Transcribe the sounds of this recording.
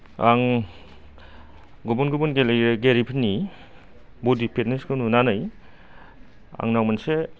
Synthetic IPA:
aŋ | ɡubunɡubunɡeɡeɾipʰini | bodipʰet̚niskonunanaj | a̰ŋnawmanse

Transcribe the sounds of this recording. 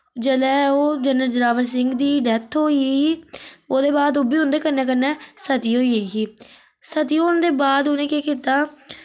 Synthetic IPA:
d͡ʒəlɛːoːd͡ʒənəɾd͡ʒɾaːʋəɾs̬ɪŋɡd̪iːɖɛːt̪ʰoːiː | oːd̪eːbaːd̪oːbiːɦʊ̃nd̪eːkəɾnɛːkənːɛːsət̪iːɦoːieːɦiː | sət̪iːoːʊnd̪eːbaːd̪ʊnẽːkeːkiːt̪aː

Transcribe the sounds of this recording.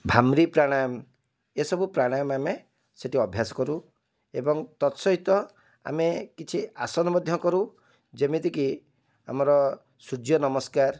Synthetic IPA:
bʱamɾipɾaɽ̃am | esɔbupɾaɽ̃amame | seʈiɔbʱjasɔ̥kɔɾu | ebɔŋt̪ɔt̪sɔɦit̪ɔ | a̰mekit͡ʃʰiasɔnɔbɔd̪ʱjɔkɔɾu | d͡ʒemet̪iki | a̰mɔɾɔ | sud͡ʒjɔnɔmɔskaɾ

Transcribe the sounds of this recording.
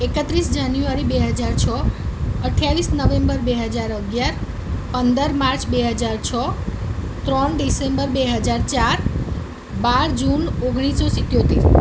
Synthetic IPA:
ekət̪ɾisd͡ʒanjuaɾibeɦəd͡ʒaɾt͡ʃʰɔəʈʰjaʋisnəʋẽmbəɾbeɦəd͡ʒaɾəɡjaɾ | pənd̪əɾmaɾt͡ʃʰbeɦəd͡ʒaɾt͡ʃʰɔ | t̪ɾəɳɖisembəɾbeɦəd͡ʒaɾt͡ʃaɾ | baɾd͡ʒunoɡɽ̃isɔsɪt̪jot̪iɾ

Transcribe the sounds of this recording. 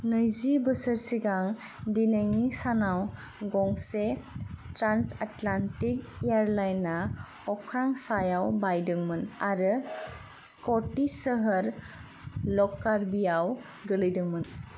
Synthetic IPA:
nɯjzibəsəɾsiɡaŋ | dinəŋisanaw | ɡɔŋsetɾansatlantik | eaɾlajnːa | ɔkʰɾaŋsajawbajdɯŋmɯnaɾɯ | skɔtisəɦəɾ | lɔkːaɾbijaw | ɡɯlɯjdɯŋmɯn

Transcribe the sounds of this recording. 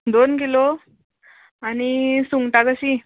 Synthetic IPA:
d̪onkilo | añisuŋɡʈakəɕi

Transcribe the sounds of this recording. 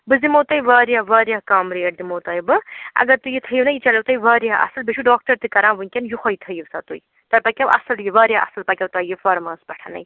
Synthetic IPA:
bɨzimoːt̪ɐjʋaːɾjaːʋaːɾjaːkaːmɾejɐʈ̚d̪imoːt̪ɐːjbɨɐ̰ɡɐɾt̪ujit̪ʰɐjiʋnɐjit͡ʃɐlɐwt̪ɐjiʋaːɾjaɦʔɐ̰sɨlbiʃʰuɖaːk̚ʈɐɾt̪ɨkɐɾãːʋɨnkʲɐnjuxʰojt̪ʰɐjiʋsat̪uj | t̪ɐɾpɐkʲɐʋɐ̰sɨljiʋaːɾjaɐ̰sɨlpɐkʲɐwt̪ɐjifɐɾmɐːspɐʈʰanɐ̰j

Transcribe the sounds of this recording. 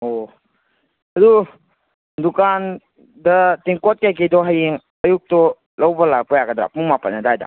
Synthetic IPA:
o | hɐdu | dukan | dɐtiŋkɔt̚kajkejdɔɦajeŋ | ajuk̚tɔ | lɐwbɐlak̚pɔjaɡədɾa̰puŋmapa̰nadajda̰

